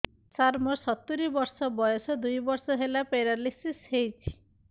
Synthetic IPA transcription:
t͡ʃaɾmɔɾsɔt̪ːuɾibɔɾsɔbɔjɔsɔd̪ujbɔɾsɔɦelapeɾaɾlisishejt͡ʃʰi̥

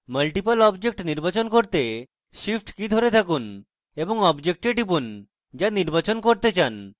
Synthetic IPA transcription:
məlʈipəlɔbd͡ʑek̚ʈniɾbat͡ɕonkoɾt̪e | ʃipʰʈkid̪ʱoɾet̪ʰakun | eboŋɔbd͡ʑek̚ʈeʈibun | d͡ʑaniɾbat͡ɕonkoɾt̪et͡ɕan

